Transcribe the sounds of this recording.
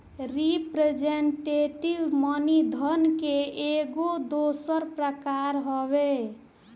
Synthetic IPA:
ɾipɾed͡ʒeɳʈeʈiʋmənid̪ʱənkeʔeɡod̪osəɾpɾəkaɾɦɔβe

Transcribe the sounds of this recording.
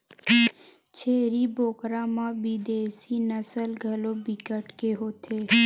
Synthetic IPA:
t͡ʃʰeːɾiboːkɾãːmãbid̪eːsinəsəlɡʱɐlobɪkəʈkeɦoːt̪ʰeː

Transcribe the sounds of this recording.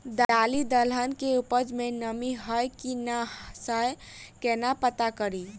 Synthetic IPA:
d̪alid̪əlɦənkeupəd͡ʒmenəmiɦəjkinasəjkenapət̪akəɾi

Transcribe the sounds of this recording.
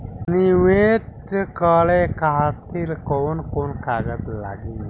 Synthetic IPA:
niʋeʈkəɭekaɦat̪ilkoːnkonkaːɡət̪la̰ːɡiː

